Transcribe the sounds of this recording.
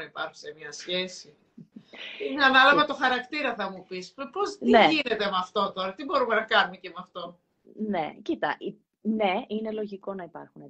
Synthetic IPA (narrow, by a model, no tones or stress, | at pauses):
ɐipɐɾxu̥semiɐsçe̞si | ineɐnɐlɐvɐt̪o̞xɐɾɐkt̪iɾɐθɐmupisppost̪ineʝine̞t̪emɐft̪o̞t̪o̞ɾɐt̪ibo̞ɾumenɐkɐnumecemɐft̪o̞ | ne̞cit̪ɐ̰ʔi | ne̞ine̞lo̞ʝiko̞nɐipɐ̰ɾxune